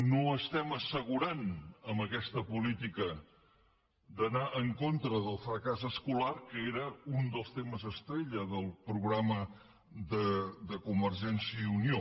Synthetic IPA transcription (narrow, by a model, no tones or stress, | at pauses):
noəst̪ɛməsəɣ̞uɾanəmbəkɛst̪əpulit̪ikə | d̪ənaʔəŋkont̪ɾəðəlˠfɾəkazəskularkəeɾəund̪əlˠst̪eməzəst̪ɾeʎəðəlˠpɾuɣɾamə | ðəd̪əkumbəɾʒɛnsiəiunio